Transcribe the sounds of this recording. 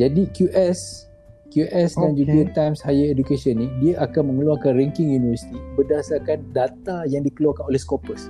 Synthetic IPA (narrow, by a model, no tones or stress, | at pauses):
d͡ʒadikjuʔɛs | kjuʔɛsdand͡ʒudiət̪ajmshajəedukesiənːidiaʔakanmə̃ŋəluakanrɛŋkɪŋjunivəsi̥t̪ibərdasarkandat̪ajaŋdikəluakanolɛhskopəs